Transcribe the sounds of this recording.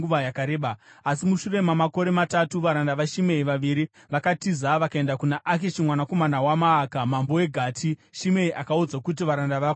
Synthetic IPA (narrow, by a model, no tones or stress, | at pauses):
uʋajakaɾeːɓaasimuʃure̞mamako̞ɾe̞matatuʋaɾandaʋaʃime̞iʋaʋiɾi | ʋakatizaʋakae̞ndakunaʔak̬eʃimwanako̞manawamaːkamambo̞we̞ɡʱaːtʰiʃime̞iʔakaud͡zakut̬iʋaɾandaʋa